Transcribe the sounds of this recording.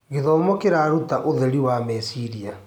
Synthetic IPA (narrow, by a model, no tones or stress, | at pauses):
ɣeðɔmɔkeɾaɾutaʔoðeɾiwamɛsiɾia